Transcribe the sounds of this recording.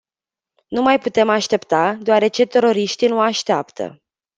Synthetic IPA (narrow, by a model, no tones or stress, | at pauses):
numajput̪e̞maʃt̪e̞pt̪ad̪oaɾe̞t͡ʃe̞t̪e̞ɾo̞ɾiʃt̪inuaʃt̪eapt̪ʰə̰